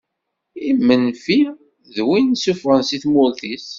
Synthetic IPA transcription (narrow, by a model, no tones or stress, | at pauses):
imːənfi | ðwinsufʁənsiθmʊlθis